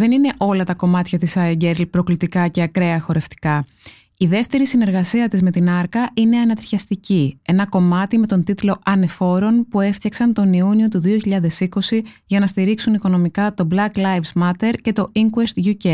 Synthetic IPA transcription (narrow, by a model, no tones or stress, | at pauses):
ðe̞nine̞ʔo̞lɐt̪ɐko̞mɐt̪çɐt̪isɐeɟeɾlpɾo̞klit̪ikɐce̞ɐkɾe̞ɐxo̞ɾe̞ft̪i̥kɐ | iðe̞ft̪e̞ɾisine̞ɾɣɐsiɐt̪izme̞t̪inɐɾkɐʔine̞ɐnɐt̪ɾçɐst̪icie̞nɐko̞mɐt̪ime̞t̪o̞nt̪it̪lo̞ʔɐne̞fo̞ɾo̞npueft̪çɐksɐnt̪o̞niunio̞t̪uðio̞çiʎɐðe̞siko̞siʝɐnɐst̪iɾiksuniko̞no̞mikɐt̪o̞blɐklɐjvzmɐt̪e̞ɾce̞t̪o̞iŋkuest̪ʝuce